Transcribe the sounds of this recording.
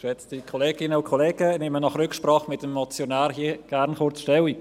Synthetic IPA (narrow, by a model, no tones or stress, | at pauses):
ʃɛt͡stikʰoleːɡ̥ɪnəʊkʰoleːɡ̥ənɪmənɑχrʏkʃprɑːχmɪtəmːɔt͡sjonæːɾɦiəɡ̥æɾnχʊɾt͡sʃtɛwi